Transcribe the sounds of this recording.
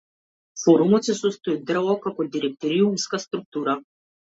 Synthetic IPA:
foɾumut̪sesust̪ujed̪rvɔkakod̪iɾek̚t̪oɾiumskast̪ɾuk̚t̪uɾa

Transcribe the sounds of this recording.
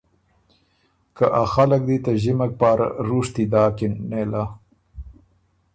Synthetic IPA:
kaʔaxalək̚d̪it̪aʒimak̚pɑːɾa̰ɾuʂt̪id̪ɑːkɪnːela

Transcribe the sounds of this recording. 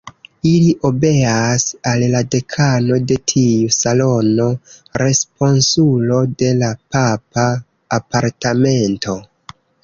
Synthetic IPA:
iliʔo̞be̞asalːade̞kʰano̞de̞tʰiusalo̞no̞ɾe̞spo̞nsulo̞de̞lapapaː | paɾtame̞nto̞

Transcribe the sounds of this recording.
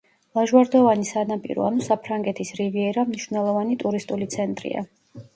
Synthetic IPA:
lˠaʒwaɾd̪ɔvanisanapʼḭɾɔ̰anusapʰɾaŋɡɛt̪ʰisɾiviɛɾamniʃvnɛlˠɔvanit̪ʼuɾist̪ʼulit̪sʰɛnt̪ʼɾḭa̰

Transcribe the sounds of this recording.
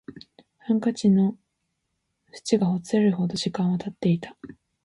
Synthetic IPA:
hãŋkat͡ɕino | ɸɯ̥t͡ɕiɡaɦo̞t͡sɨaɾɯ̟ho̞d̪oʑikãɰ̃βat̪at̪ːe̞it̪ḁ

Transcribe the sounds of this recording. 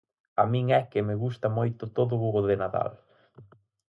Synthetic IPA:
amĩŋɛkɪmɪɣust̪ɐmojt̪ʊt̪oðʊɣuɣoðɪnaða̰l

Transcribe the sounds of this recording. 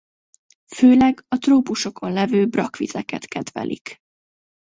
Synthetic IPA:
føːlɛɡɒt̪roːpuʃo̞kʰo̞nlɛvøːbrɒkʋizɛkɛ̰t̪kɛd̪vɛ̰lʔḭk

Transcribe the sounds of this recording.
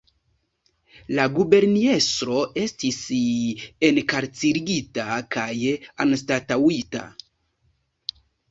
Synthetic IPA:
laɡube̞ɾnie̞stɾo̞ʔe̞stis | e̞nkaɾt͡siɾiɡitakajanstatawita̰

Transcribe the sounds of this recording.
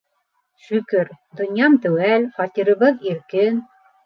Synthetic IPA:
ʃɵkɘɾd̪ŏnʲjɑmt̪ɘ̆wælχɑt̪ʲiɾɤ̆βɤðiɾkɘn

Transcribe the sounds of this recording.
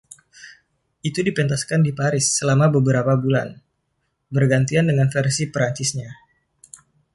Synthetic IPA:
ʔit̪udipɛnt̪askandipaɾɪsːəlamabəbəɾapabula̰n | bərɡant̪iandəŋanfɛrsipəɾaɲt͡ʃɪsɲa

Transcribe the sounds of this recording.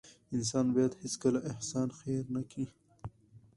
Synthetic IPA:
ɪns̬ɑːnbɑjad̪hɪskəlaʔɪhsɑːnxeɾnakʰi

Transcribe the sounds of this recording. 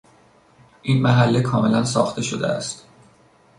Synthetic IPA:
ʔiːnmæɦælːekʰɒːme̞lænsɒ̰ːxt̪ʰe̞ʃod̪ḛæ̰st̪

